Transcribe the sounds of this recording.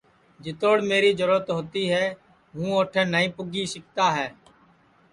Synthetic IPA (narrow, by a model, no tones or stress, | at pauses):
d͡ʒɪt̪oːɽmeːɾiːd͡ʒəɾʊːət̪ɦoːt̪iːɦɛː | ɦũːoːʈʰẽːnəĩːpʊɡiːsɪkt̪aːɦɛː